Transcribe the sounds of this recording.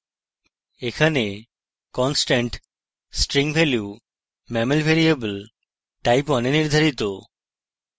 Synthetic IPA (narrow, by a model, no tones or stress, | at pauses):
ekʰane | kɔnsʈaɳʈ | sʈɾiŋbʱelju | mɛmelbʱeɾiebəl | ʈajpɔneniɾd̪ʱaɾit̪o